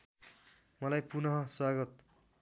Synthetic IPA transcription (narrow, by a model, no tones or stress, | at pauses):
mʌlajpunʌɦʌswaɡʌt̪